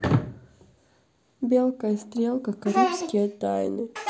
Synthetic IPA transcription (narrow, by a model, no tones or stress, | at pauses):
bʲelˠkəjəst̪ɾʲelˠkəkɐɾupskʲɪjət̪a̰jnɨ